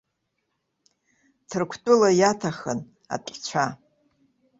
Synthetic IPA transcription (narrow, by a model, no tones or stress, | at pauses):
tʰɨrkʷʰtʼʊlajatʰaχən | a̰tʼt͡ɕʷʰa